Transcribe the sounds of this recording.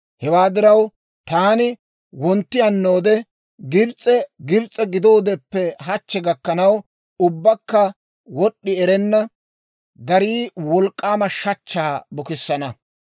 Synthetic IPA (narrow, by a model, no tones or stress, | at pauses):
hɛwaːd̪ɪɾɐw | t̪aːnɪ | wɔnt̪ːɪjɐnːoːd̪ɛ | ɡɪbt͡sʼɛɡɪbt͡sʼɛɡɪd̪o̞ːd̪ɛpːɛɦɐt͡ʃːɛɡɐkːɐnɐw | ʊbːɐkːɐ | wɔɗːɪɛɾɛnːɐ | d̪ɐɾiːwɔlkʼːaːmɐʃɐt͡ʃːaːbɔkɪsːɐnɐ